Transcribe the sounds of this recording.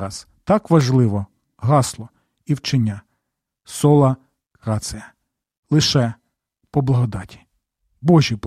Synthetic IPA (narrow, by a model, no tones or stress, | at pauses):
ɾɑs | t̪ɑkʋɐʒlˠɪʋɔ | ɦɑslˠɔ | iwt͡ʃenʲːa | sɔlˠɐ | kɾɑsɪjɐ | lˠɪʃɛ | pɔblˠɐɦɔd̪ɑtʲi̥ | bɔʒʲip